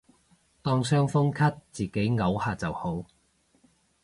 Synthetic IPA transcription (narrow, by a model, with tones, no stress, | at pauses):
t̪ɔː˥ŋsœː˥ŋfʊ˥ŋkʰɐ˥t̚t͡siː˨ke˨˥jŋɐ˨˥whaː˧t͡sɐ˨who˨˥w